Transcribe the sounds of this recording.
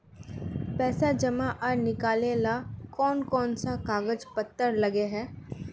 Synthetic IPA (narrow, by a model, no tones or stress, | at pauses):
pɛːsad͡ʒəmaʔəɾnɪkaːlelakɔːnkɔːnsakaːɡəd͡ʒpət̪ːəɾləɡeɦɛː